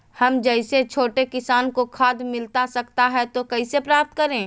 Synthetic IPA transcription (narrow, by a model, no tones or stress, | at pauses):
hɐmd͡ʒɛɪset͡ʃʰoːʈekɪsaːnkokʰaːd̪mɪlt̪asɐkt̪aɦɛt̪okɐisepɾaːp̚t̪kɐɾẽː